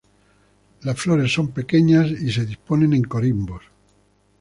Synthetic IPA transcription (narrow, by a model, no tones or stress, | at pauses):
lasflo̞ɾe̞sːo̞mpe̞ke̞ɲasise̞ðispo̞nẽ̞neŋko̞ɾimbo̞s